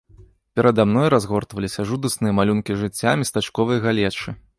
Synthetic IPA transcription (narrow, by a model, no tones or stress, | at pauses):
pʲɛɾɐd̪amn̪ɔjɾazɣɔrt̪vɐlʲisʲɐʐud̪ɐsnɨjɐmalʲunkʲiʐɨt͡sʲːamʲist̪at͡ʂkɔvɨjɐɣalʲɛt͡ʂɨ